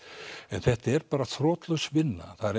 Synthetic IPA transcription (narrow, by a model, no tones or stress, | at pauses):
ɛnθɛht̪ɛɾpaːɾaθʰɾɔːt̪lœsvɪnːa̰θaðɾ